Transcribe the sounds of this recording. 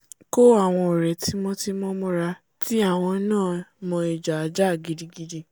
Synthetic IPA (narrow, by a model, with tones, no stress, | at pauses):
ko˦a˦˨w̃ɔ̃˧o˨ɾɛ˨tʰi˨˦mɔ̃˦ti˧mɔ̃˦mɔ̃˦ɾa˧ | ti˦a˦˨w̃ɔ̃˧˦nãː˦˨mɔ̃˧e˨d͡ʒa˨˧˦d͡ʒa˦˨ɡi˧di˧ɡi˧di˧